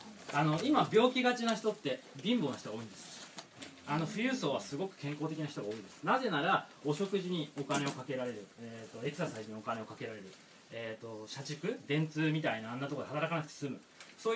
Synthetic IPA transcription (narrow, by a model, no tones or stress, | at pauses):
ano̞imabʲo̞ːkʲiɡat͡ɕinaçi̥t̪o̞t̪ːe̞ | bʲĩmboːnoç̥i̥t̪oɡaoĩnd̪e̞sɨ̥ | ano̞ɸɯ̟jɯ̟ːso̞ːβasɨɡo̞kɯ̟̥kẽ̞ŋko̞ːt̪e̞kʲinaç̥it̪o̞ɡao̞ːid̪e̞sɨ̥naze̞naɾao̞ɕo̞kɯ̟ʑiɲ̟io̞kane̞o̞kake̞ɾaɾe̞ɾɯ̟et̪ːo̞e̞ksasaiʑiɲ̟iokane̞okake̞ɾaɾe̞ɾɯ̟ | et̪ːo̞ɕat͡ɕɨkɯ̟d̪ẽ̞nt͡sɨːmʲit̪ainãːnːat̪okod̪ehat̪aɾakanakɯ̟t̪esɨmɯ̟ | soː